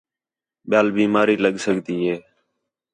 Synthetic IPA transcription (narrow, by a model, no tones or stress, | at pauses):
ɓɪjaːlbiːmaːɾiːləɠsəɠd̪iːɦeː